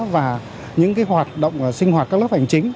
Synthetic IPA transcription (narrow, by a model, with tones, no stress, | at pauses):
vaː˨˩ | ɲɨ̰˧˥ŋkaː˨˦jɦwaː˨˩t̚ɗə̰˧˨wŋ͡mʔsï˧ŋhwaː˨˩t̚aː˦˥k̚lp̚ha˨˩jŋ̟t͡ɕï˨˦ŋ̟